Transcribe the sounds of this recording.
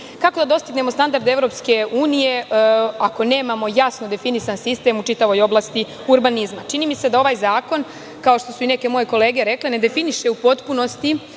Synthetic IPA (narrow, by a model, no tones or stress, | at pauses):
kako̞d̪ad̪o̞st̪iɡne̞mo̞st̪and̪aɾd̪eeʋɾo̞pske̞uːnije̞ako̞ne̞ːmamo̞jasno̞d̪e̞finisansist̪e̞mut͡ʃit̪aʋo̞jo̞blˠast̪i | uɾbanizmat͡ʃiniːmise̞d̪ao̞ʋajzaːko̞n | kao̞ʃt̪o̞suine̞ke̞mo̞je̞ko̞le̞ːɡe̞ɾe̞klene̞d̪e̞finiʃe̞upo̞t̪puno̞st̪i